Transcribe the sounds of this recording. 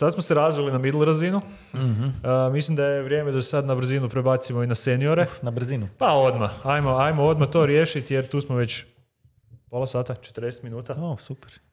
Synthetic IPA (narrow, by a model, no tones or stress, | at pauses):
sad̪smose̞ɾazʋilinamid̪lˠɾazinu | əmislˠimd̪aje̞ʋɾje̞ːme̞d̪asesad̪nabɾ̩zinupɾebat̪simoinase̞nio̞ɾe̞nabɾ̩zinupao̞d̪maajmo̞ajmoo̞d̪mat̪o̞ːɾje̞ʃit̪je̞ɾt̪uːsmoʋe̞t͡ɕ | po̞lˠasaːt̪at͡ʃet̪əɾd̪e̞set̪minuːt̪aosupeɾ